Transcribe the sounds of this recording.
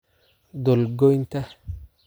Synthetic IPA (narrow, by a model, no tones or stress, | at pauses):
dolɡojnt̪a